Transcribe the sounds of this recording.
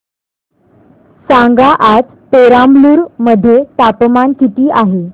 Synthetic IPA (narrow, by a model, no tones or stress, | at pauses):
sãŋɡaʔat͡s | peɾambluːɾməd̪ʱːjet̪apmankit̪iːʔaɦe